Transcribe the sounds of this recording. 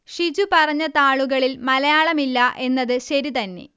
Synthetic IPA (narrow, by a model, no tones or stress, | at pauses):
ʂid͡ʑupɐrɐɲːɐt̪aːɭuɣɐɭilmɐlɐjaːɭɐmilːɐʔe̞nːɐðɨɕɐɾit̪ɐnːe̞̰